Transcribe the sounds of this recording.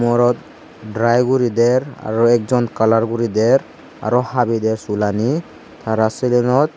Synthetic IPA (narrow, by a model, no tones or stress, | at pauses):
mɔɾɔt̪̚ | dɾajɡuɾidɛɹa̰ɹɔɛk̚zɔnkalaɹɡuɾidɛɹ | a̰ɹɔhabidɛɹsulani | t̪ʰaɾasilɔnɔt̪̚